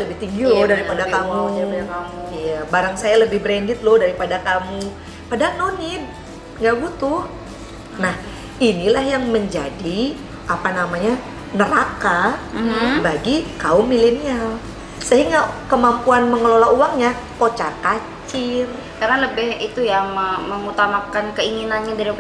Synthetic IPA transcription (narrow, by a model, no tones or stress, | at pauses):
ləbɪht̪iŋɡilodaɾipadakamudaɾipadakauijabaɾaŋsajaləbɪhbɾɛndɪt̪̚lodaɾipadakamu | padanonɪt | ŋɡaʔɡut̪u | nah | inilahjaŋməɲd͡ʒadi | apanamaɲa | nəɾakam̩baɡikaʊmːilenial | səɦiŋɡakəmampuanməŋəlolauwaŋɲa | kot͡ʃaka | t͡ʃɪr | kaɾanləbɪhit̪ujaməməŋut̪amakankəiŋinanɲadaɾi